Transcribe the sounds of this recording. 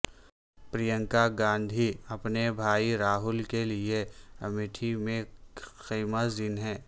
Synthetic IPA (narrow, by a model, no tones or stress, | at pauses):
pɾijə̃ŋkaɡãːnd̪ʱiɐpnebʱaːiɾaːɦʊlkelieɐmɪʈʰimẽxiːmazɪnɦɛ̃ː